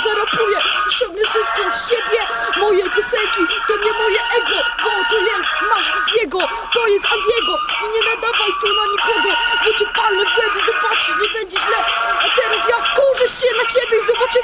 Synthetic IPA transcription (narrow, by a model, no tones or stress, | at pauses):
zɛɾɔpujɛɔsɔbɲɛfʂɨst̪̚kɔsɕɛbʲjɛmɔjɛvɘsɛlkʲit̪ɔɲɛmɔjɛʔɛɡɔvɔt̪ɔjɛst̪maʂjɛɡɔ | t̪ɔjɛsazjɛɡɔiɲɛnad̪avajt̪ɔnaɲikɔɡɔbɔt̪ipalnɛbwɛmbʲizɔbatʂɨɲɛbɛɲd͡ʑɛʑlɛat̪ɛɾasjafkɔwʐɘɕɛd̪lat͡ɕebʲjɛizɔbat͡ʂɨw